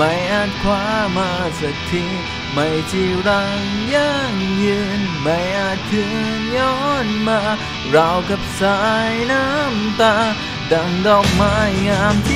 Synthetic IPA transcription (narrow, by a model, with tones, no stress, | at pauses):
ma˧˩jʔaː˧˩t̪̚kʰwaː˧˥maː˧sa˨˧k̚t̪ʰi˧ | ma˧˩jt͡ɕʰi˧˩ɾa˧˥ŋjaː˧˥ŋjɯ˧˥nma˧˩jʔaː˧˩t̪ʰːɯ˧˥ŋjɔː˧˥nmaː˧˥ | ɾaː˧wka˧˥˩p̚saː˧jna˧˥mt̪aː˧ | da˧ŋdɔː˧˩k̚maː˧˥jŋaː˧˥mt̪